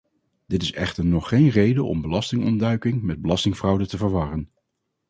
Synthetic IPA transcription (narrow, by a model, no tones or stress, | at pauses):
dɪtɪsɛ̰χtəɹnɔχːejnrejdəʔɔ̰mbəlɑstɪŋɔ̰ndœɥkɪŋmɛd̚bəlɑstɪŋfrʌwdətəvəɹʋɑrən